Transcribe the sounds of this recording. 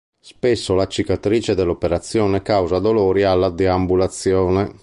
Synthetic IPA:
spesːolat͡ʃːikat̪ɾiːt͡ʃed̪ɛlːopeɾat̪sːjɔːnekawzad̪oloːɾialːad̪ɛambulat̪sːjɔːne

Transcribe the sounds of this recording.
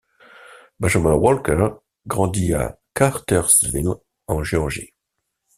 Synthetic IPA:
baʒamãwɔlkɛʁ | ɡʁɑ̃d̪ia̰kaʁt̪œʁsvil | ɑ̃ʒeɔʁʒḭ

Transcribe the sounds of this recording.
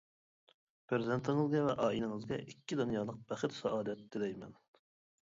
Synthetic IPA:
pʰɾɪzɪnt̪ʰɪŋɨzɡʲɛvɛʔɑːinɪŋɨzɡʲɛ̰ʔikʲːid̪unjɑːlˠəq̚b̥æχɪt̪sɑʔɑːd̪ɛt̪d̪ɪd̪ɛjmɛ̰n

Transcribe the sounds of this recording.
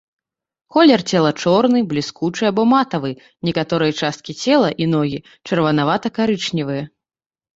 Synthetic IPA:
kɔlʲɛrt͡sʲɛlˠɐt͡ʂɔrnɨblʲiskut͡ʂɨabɔmat̪ɐvɨ | nʲɛkat̪ɔɾɨjɐt͡ʂast̪̚kʲit͡sʲɛlˠɐʔin̪ɔɣʲi | t͡ʂɐrvɐnavat̪ɐkaɾɨt͡ʂnʲivɨjɐ

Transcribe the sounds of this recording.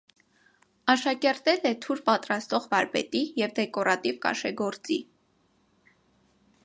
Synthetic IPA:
ɑʃɑkɛɾt̪ɛlɛt̪ʰuɾpɑt̪ɾɑst̪ɔʁvɑɾbɛ̰t̪ijɛvd̪ɛkɔɾɑt̪ivkɑ̰ʃɛɡɔɾt͡sḭ

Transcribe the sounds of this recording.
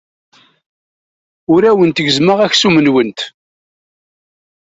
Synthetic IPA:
ʊɾæwənt̪əɡəzməʁæçsumənwənt̪

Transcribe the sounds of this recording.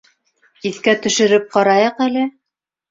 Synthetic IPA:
iθkæt̪ɵ̆ʃɘ̆ɾɘp̚qɑɾɑjɤqælɘ

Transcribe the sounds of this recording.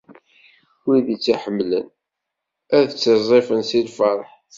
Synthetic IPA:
wiðit͡sːiħəmːlə̰n | æðθət͡sːəzˤefənsilfɑɾˤħ

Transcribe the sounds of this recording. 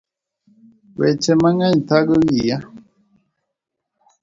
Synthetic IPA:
wɛ̰t͡ʃɛmaŋaɲ̩taɡəwija

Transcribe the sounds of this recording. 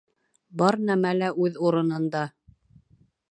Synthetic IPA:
bɑɾnæmælæʔʉðuɾɤ̆nɤ̆nd̪ɑ

